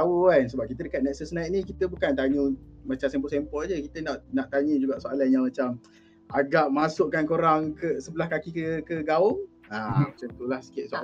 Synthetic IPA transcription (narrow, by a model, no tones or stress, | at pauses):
aukans̬əbap̚kit̪ədəkat̪̚nɛʔsəsnait̪̚nĩkit̪əbukant̪aɲumat͡ʃamsɛmpɔsɛmpɔlad͡ʒəkit̪ənaʔnaʔt̪aɲũd͡ʒuɡaʔsoalanjaŋmat͡ʃam | aɡaʔmasʊʔkːankoɾaŋkəsəbəlahkakikəkəɡaʊŋ | amat͡ʃamt̪ulahsə̥kɪʔ̚soa